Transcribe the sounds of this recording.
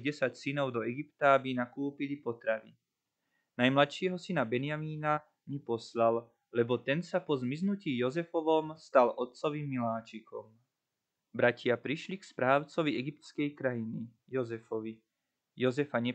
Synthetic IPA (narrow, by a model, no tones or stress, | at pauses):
ɟɛsacsinɔʊd̪ɔɛɡipt̪aabinakuːpilipɔt̪ɾaʋi | najmlat̪ʃiːɦɔsinabɛnɪamiːna | mipɔslal | lɛbɔt̪ɛnsapɔzmiznuciːjɔzɛfɔʋɔmst̪alʔɔt̪̚t͡sɔʋimːilaːt͡ʃikɔm | bɾacɪapɾiʃlikspɾaːʊt͡sɔʋiɛɡip̚t̪skɛjkɾajini | jɔzɛfɔʋi | jɔzɛfaɲɛ